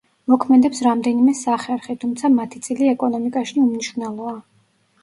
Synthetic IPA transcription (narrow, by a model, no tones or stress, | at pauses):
mɔkʰmɛd̪ɛpsɾamd̪ɛnimɛsaχɛɾχɛt̪ʰumt̪sʰamat̪ʰit̪sʼiliɛkʼɔnɔmikʼaʃiumniʃɾnɛlˠɔa